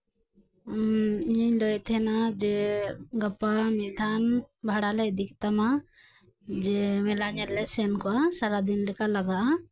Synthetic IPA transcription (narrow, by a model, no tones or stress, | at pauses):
ɲlɔjt̪ʰɛnad͡ʒɛɡapamid̪ʱanbʱaɽalɛd̪ikt̪ama | d͡ʒɛmɛlaɲɛlːɛsɛnkɔasaɾad̪inlɛkalaɡaʔa